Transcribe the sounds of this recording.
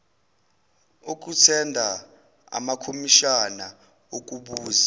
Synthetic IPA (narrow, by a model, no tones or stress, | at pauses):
uk̬ʼutʰɛndʱa | a̰makʰomiʃana | ok̬ʼuɓuːza